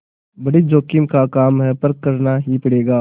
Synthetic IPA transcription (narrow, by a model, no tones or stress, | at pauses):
bɐɽid͡ʒoːkɪmkakaːmɦɛpɐɾkːɐɾnaɦipɐɽeːɡaː